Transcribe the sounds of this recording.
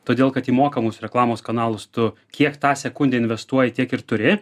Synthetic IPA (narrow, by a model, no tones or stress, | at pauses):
t̪oːd̪ʲeːlˠkɐt̪iːmoːkɐmʊːsɾʲɛklˠɑːmoːskɐnɑːlˠʊst̪ʊ | kʲiɛkt̪ɑːsʲɛkʊnʲd̪ʲeːɪnʲʋʲɛst̪uɔjɛt̪ʲiɛkɪɾt̪ʊɾʲɪ